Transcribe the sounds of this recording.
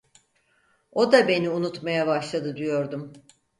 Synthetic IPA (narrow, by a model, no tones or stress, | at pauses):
o̞d̪abe̞niunut̪majabaʃlˠad̪ɯd̪ijo̞ɾd̪um